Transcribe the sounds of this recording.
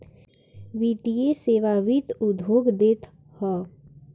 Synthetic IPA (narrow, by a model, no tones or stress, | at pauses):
ʋit̪ijeseːʋaʋit̪ʊd̪ʋoːɡd̪eːt̪ | hɔː